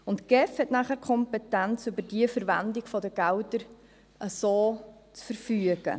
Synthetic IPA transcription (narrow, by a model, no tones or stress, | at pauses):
ʊntɡ̥ɛfhɛtnæːχæɾkʰɔmpɛtænt͡sybəɾdiəfəɾvændɪɡfɔdəɡ̥æwdəɾ | ʔəsoː | t͡sfəɾfyəɡ̥ə̰